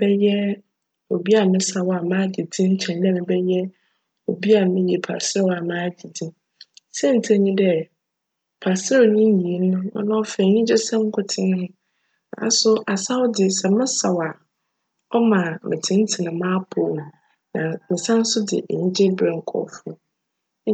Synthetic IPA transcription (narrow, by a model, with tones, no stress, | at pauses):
bɛ˦jɛ˦ | o˨bi˦a˨mɪ̃˦sa˨wa˨mã˦d͡ʑi˨dĩ˦ɲ̩˦t͡ɕʰɛ̃˨ndɛ̃˦mɪ̃˨bɛ˦jɛ˦ | o˨bi˦a˨mɪ̃˦jɛ˨pʰa̰˨sɪ˦ɛ˦wa˨mãː˦d͡ʑi˨dĩ˦m | sɛ˦˨n̩˨tʰɛ˦ɲĩ˦dɛ˦ | pʰa˨sɾɛ˦wɲĩ˦ji˨˦nʊ̃˦ɔ̰˦nã˦ɔ˦fɛ˨ɲĩ˦d͡ʑɛ˦sɛ̃˦m˦kʰʊ˦tʰɪ̃˦n˦nʊ̃˦ | nã̰˨˦sʊ˦ʔa˨sa˦wdɪ˨sɛ˨mɪ̃˦sa˨wa˨ | ɔ˦mã˨mɪ̰̃˨tʰɪ̃˦n̩˦tʰɪ˨nʊ̃˨mã˦pʰo˨n˨ | nã˨mɪ̃˨sã˦n̩˦sʊ˦dɪ̰˨ʔɲĩ˦d͡ʑɛ˦bɾɛ˨ŋ̩˨kʰɔ̰˨fʊ˦